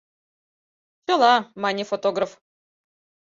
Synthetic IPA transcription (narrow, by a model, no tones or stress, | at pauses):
t͡ɕolˠɑmanʲifot̪oɡrəf